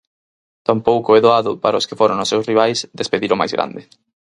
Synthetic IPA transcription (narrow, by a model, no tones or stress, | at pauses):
t̪ampowkʊɛðoaðʊpaɾaʊskɪfoɾoŋnʊsewsriβ̞ajsd̪espeðiɾʊma̰jzɣɾʔã̰nd̪ɪ